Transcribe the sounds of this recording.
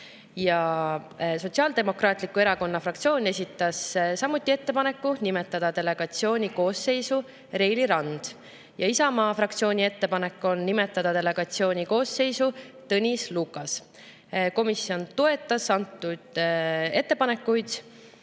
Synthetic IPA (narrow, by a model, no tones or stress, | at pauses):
jɑ | so̞t̪ʲsʲiɑld̪̥e̞mo̞krɑːt̪ˑlikue̞ɾɑko̞nːɑfrɑk̚t̪sio̞ːne̞sʲit̪ːˑɑssɑmut̪ˑːie̞t̪ːe̞pɑne̞kːunime̞t̪ːˑɑd̪̥ɑt̪e̞le̞ɡ̥ɑt̪sio̞ːnʲiko̞ːsːe̞jsu | ɾe̞jliɾɑnd̪̥ | jɑisɑmɑːfrɑk̚t̪sio̞ːnʲie̞t̪ːe̞pɑne̞kːˑo̞nːime̞t̪ːˑɑd̪̥ɑd̪e̞le̞ɡ̥ɑt̪sio̞ːnʲiko̞ːsːe̞jsut̪ɤnʲislukːˑɑs | ko̞misːio̞nt̪o̞e̞t̪ːˑɑsɑnt̪ːˑud̪̥e̞t̪ˑːe̞pɑne̞kːujd̪̥